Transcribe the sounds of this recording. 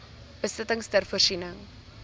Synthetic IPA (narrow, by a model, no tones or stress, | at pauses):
b̥əstətəŋstərfuərsinəŋ